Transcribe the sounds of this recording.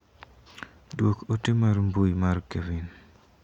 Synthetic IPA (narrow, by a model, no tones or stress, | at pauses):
dwokotɪmaɾmbujmarkevin